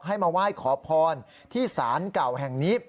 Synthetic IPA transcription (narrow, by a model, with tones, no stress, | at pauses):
ɦa˥˩jmaː˧waː˥˩jkʰɔː˩˦pʰɔː˧n | t̪ʰiː˥˩saː˩˦nka˨˩whɛ˨˩ŋniː˦˥